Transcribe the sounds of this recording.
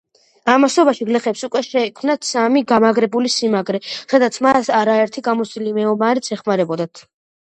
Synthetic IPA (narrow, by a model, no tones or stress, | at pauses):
amasɔbaʃiɡlɛχɛpsukʼwɛʃɛkʰmnat̪samiɡamaɡɾɛbulisimaɡɾɛχɛd̪at̪sʰmasaɾaɛɾt̪ʰiɡamɔt̪sd̪ʼilimɛɔmaɾit̪sʰɛχmaɾɛbɔd̪at̪ʰ